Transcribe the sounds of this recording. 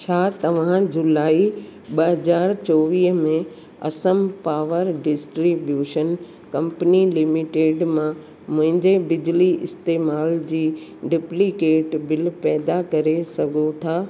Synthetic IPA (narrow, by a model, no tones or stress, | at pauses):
t͡ɕʰaːt̪ɐʋ̤ãd͡ʑʊlaːiɓɐɦɐzaːɾt͡ɕoːʋiːɦmẽ | ɐ̰səmpaːʋəɾɖɪsʈɾibjuːʃən | kɐ̃mpənilɪmɪʈeːɖmã | mʊ̃ɦɪ̃ɲd͡ʑebɪd͡ʑliʔɪst̪eːmaːld͡ʑiːɖɪplikeːʈbɪlpɛːd̪akɐɾesɐɡʱot̪ʰaː